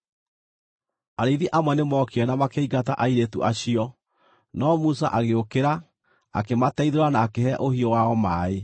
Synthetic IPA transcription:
aɾeðiʔamwɛnemɔkeɛnamakeiɣataʔaiɾetṵʔaɕiɔ | nɔmusaʔaɣeokeɾa | a̰kematɛiðoɾanaːkeɦɛʔohiɔwaɔmaːe

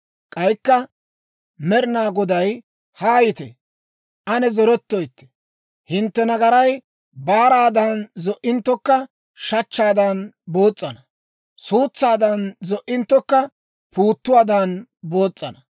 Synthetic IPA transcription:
kʼɐjkːɐ | mɛɾɪnaːɡɔd̪ɐj | haːjɪt̪ɛ̰ | ʔɐnɛzɔɾɔt̪ːɔjt̪ːɛ̥ | hɪnt̪ːɛnɐɡɐɾɐj | baːɾaːd̪ɐnzɔʔɪnt̪ːɔkːɐ | ʃɐt͡ʃːaːd̪ɐnbo̞ːt͡sʼːɐnɐ | suːt͡sːaːd̪ɐnzɔʔːɪnt̪ːɔkːɐ | pʰuːt̪ːʊwaːd̪anbo̞ːt͡sʼːɐnɐ

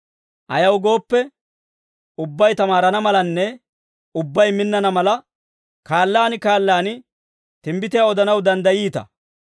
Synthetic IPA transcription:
ʔɐ̰jɐwɡo̞ːpːɛ | ʊbːɐjt̪ɐmaːɾɐnɐmɐlɐnːɛ | ʊbːɐjmɪnːɐnɐmɐlɐ | kaːlːaːnɪkaːlːaːn | t̪ɪmbɪt̪ɪjaɔd̪ɐnɐwd̪ɐnd̪ɐjiːt̪ɐ̰

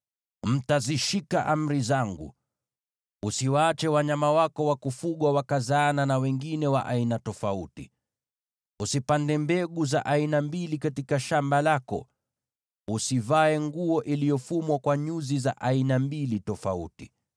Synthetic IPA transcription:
m̩taziʃikaʔam̩ɾizaŋɡṵ | usiwaːt͡ʃɛwaɲamawakɔwakufuɠwawakazaːnanawɛŋɡinɛwa̰ʔainatɔfauti | usipandɛmbɛɠuza̰ʔainambilikatikaʃambalakɔ̰ | usivaɛŋɡuɔʔilijɔfumwakwaɲuzizaʔainambilitɔfa̰ṵti

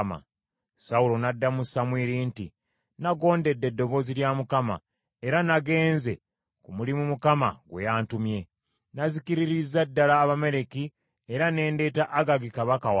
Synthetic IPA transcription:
ma̰ | saulo̞nadːamusamwiːɾiːnti | naɡo̞ːnde̞dːe̞dːo̞βo̞ziljamukama̰ | e̞ɾanaɡe̞ːnze̞ | kumulimumukama̰ɡwe̞̰jaːntumje̞ | nazikiɾiɾizadːalaːβame̞ɾe̞ki | eɾane̞ːnde̞ːtaʔaɡaɡikaβakawa

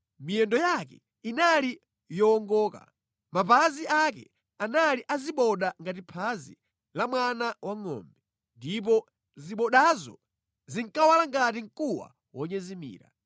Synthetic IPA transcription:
mijɛndɔjakɛ | inali | jɔːŋɡɔːka̰ | mapaziʔakɛ̰ | analiʔaziɓɔɗaŋɡat̬ipʰazḭ | lamwanawaŋɔ̰ːmbɛ | ndip̬ɔ | ziɓɔɗazɔ̰ | ziŋkawalaŋɡat̬iŋ̩kuwa̰ | wɔɲɛzimḭːɾa̰

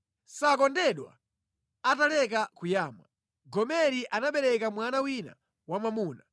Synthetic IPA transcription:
sakɔndɛɗwa̰ | atalɛk̬akujaːma | ɡɔmɛɾiʔanaɓɛɾɛkamwanawina̰ | wamamuːna

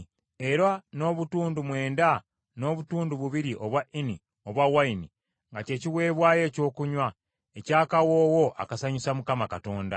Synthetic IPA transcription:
e̞ɾano̞βutuːndumwe̞ːnda | no̞ːβutuːnduβuβiɾiʔo̞βwaʔini | o̞βwawaini | ŋɡace̞ːciwe̞ːβwaːje̞ːco̞ːkuɲwa | ecaːkawoːwo̞ʔa̰kasaɲusamukamakato̞ːnda̰

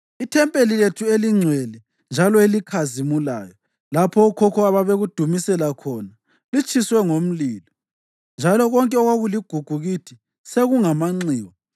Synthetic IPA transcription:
itʰɛmpʼeliletʰueliŋ͡ǀʱwɛlɛ | nd͡ʒʱalɔelikʰazimula̰ːjɔ | lapʰɔukʰɔkʰɔaβaβeɣud̥ʱumisɛlakʰɔna | lit͡ʃʰʼiswɛŋom̩liːlɔ | nd͡ʒʱalɔɣɔŋkʼɛɔɣwaɣuliɡ̥ʱuɡ̥ʱuɣitʰi | seɣuŋamaŋ͡ǀiːwɔ

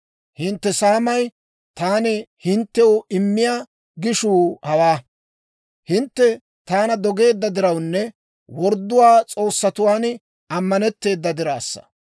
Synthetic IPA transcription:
hɪnt̪ːɛsaːmɐj | t̪aːnɛhɪnt̪ːɛwʊɪmːɪjaː | ɡɪʃuːhɐwaː | hɪnt̪ːɛ | t̪aːnɐd̪ɔɡe̞ːd̪ːɐd̪ɪɾɐwnːɛ | wɔɾd̪ːʊwaːt͡sʼo̞ːsːɐt̪ʊwaːn | ɐmːɐnɛt̪ːe̞ːd̪ːɐd̪ɪɾaːsːɐ̥̰

